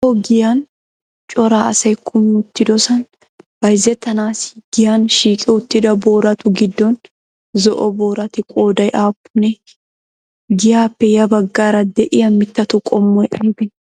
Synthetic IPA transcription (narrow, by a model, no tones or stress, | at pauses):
ɔɡɪjan | t͡ʃʼɔɾaːɐsɐjkʰʊmʊt̪ːɪd̪ɔsɐn | b̥ɐjzɛt̪ɐnaːsɪ̥ɡ̥ɪjanʃiːkʼɛʊt̪ːɪd̪ɐboːɾɐt̪ʊɡɪd̪ːɔn | zɔʔɔboːɾɐt̪ɪkʼoːd̪ɐjʔaːpːʊnɛ | ɡɪjaːpːɛjɐbɐɡːaːɾɐd̪ɛʔɪjɐmːɪt̪ːɐt̪ʊkʼɔmːɔjʔɐjbɪn